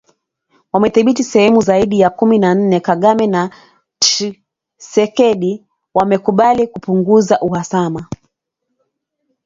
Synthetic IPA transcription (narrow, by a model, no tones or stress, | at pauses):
wamɛθiɓitisɛhɛmuzaiɗijakuminan̩nɛkaɠamɛna | sɛkɛɗi | wamɛkuɓalikupuŋɡuzaʔuhasama